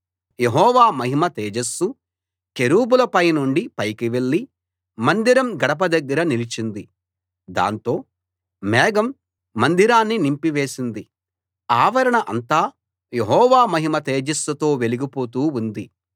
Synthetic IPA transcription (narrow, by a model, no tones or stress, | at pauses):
je̞ɦɔːʋaːmɐɦimɐt̪eːd͡ʒɐsːu | ke̞ɾuːbulɐpɐjnuɳɖipɐjkiʋe̞ɭːi | mɐnd̪iɾɐmɡɐɽɐp̬ɐd̪ɐɡːɐɾɐnilit͡ʃind̪i | d̪a̰ːnt̪o̞ː | mɛːɡɐmː | ɐnd̪iɾaːnːinimpiʋe̞ːsind̪i | aːʋɐɾɐɳɐʔɐnt̪aː | jeɦɔːʋaːmɐɦimɐt̪eːd͡ʒɐsːɐt̪o̞ːʋe̞liɡipo̞ːt̪uːund̪i